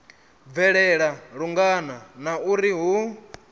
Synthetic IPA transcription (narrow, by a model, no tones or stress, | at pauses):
vɛɺɛɺaɺuŋɡananauɾiɦu